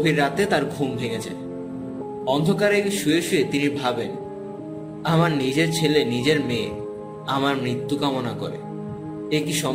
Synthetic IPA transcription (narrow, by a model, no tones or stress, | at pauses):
bʱiɾːat̪et̪aɾɡʱumbʱeɡet͡ɕʰḛ | ɔnd̪ʱokaɾekʃueʃuet̪inibʱaben | amaɾnid͡ʑeɾt͡ɕʰelenid͡ʑeɾmẽ | amaɾmɾit̪ːukamonakɔ̰ɾḛ | ekiʃɔ